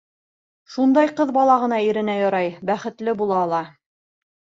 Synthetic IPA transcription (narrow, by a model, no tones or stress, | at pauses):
ʃund̪ɑjqɤðbɑlˠɑʁɤ̆nɑiɾɘ̆næjɑɾɑjbæχɘ̆t̪lɘbulˠɑːlˠɑ